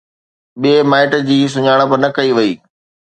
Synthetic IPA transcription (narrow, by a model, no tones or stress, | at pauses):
ɓiemaːɪʈd͡ʑiːs̬ʊɲaːɽ̃əpɐɾnɐkɐiʋɐiː